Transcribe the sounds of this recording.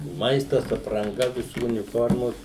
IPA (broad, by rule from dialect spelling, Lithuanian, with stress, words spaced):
ˈmɐɪstɐs ɐprɐŋˈɡɐ ʋʲɪˈsuː ʊnʲɪˈfoːrmoːs